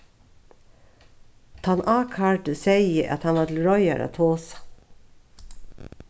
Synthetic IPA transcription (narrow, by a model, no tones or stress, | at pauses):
t̪ʰɑnʔɑːkʰɑːʈəseɪəʔɑ̰t̪hɑnʋɑːt̪l̩ɾɔʏə̰ɾʔə̰t̪ʰoːsɑ̥